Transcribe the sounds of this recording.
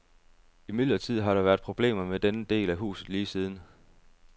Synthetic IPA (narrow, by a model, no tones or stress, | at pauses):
imid̥lɐt͡sʰið̞̰ˠɦɑ̈ɾ̥ɑ̈ʋæɐd̥̚pʰʁo̝b̥le̝̰ːmɐmed̥enəd̥e̝̰ːlæɦṵːsð̩ˠliːsiːð̞ˠn̩